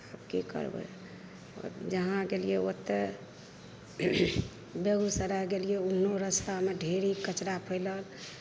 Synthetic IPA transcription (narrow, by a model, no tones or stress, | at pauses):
əbkekə̰ɾbə̰ | d͡ʒəɦãɡelijeot̪ːe | beɡusəɾəɡelieunːoɾəst̪ameɖʱeɾikət͡ʃɾapʰəɪləl